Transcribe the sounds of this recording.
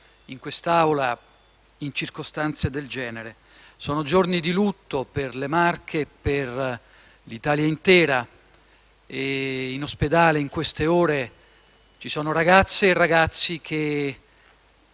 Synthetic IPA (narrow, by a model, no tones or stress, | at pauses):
iŋkwest̪awla | int͡ʃirkost̪ant̪sed̪eld͡ʒɛːneɾe | sɔːnod͡ʒornid̪ilut̪ːoperlemarkʰeper | lit̪aːljaint̪ɛːɾa | einosped̪aːleiŋkwest̪eoːɾe | t͡ʃisɔːnoɾaɡat̪sːeːrːaɡat̪sːik̟ʰe